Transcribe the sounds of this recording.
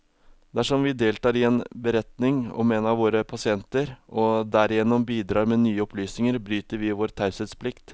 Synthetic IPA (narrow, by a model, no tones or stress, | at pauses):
d̪æʂɔmʋɪd̪eːlt̪ɑːɾɪɛnbəɾɛt̪nɪŋɔ̰menɑʋoːɾəpʰɑsɪɛnt̪əɾɔd̪æɾɪjɛnːɔmbiːd̪ɾɑːɾmɛnyːəɔpʰlyːsnɪŋəɾbɾyːt̪əɾʋɪʋoːɾt̪ʰæɾsɛt̪spʰlɪkt̪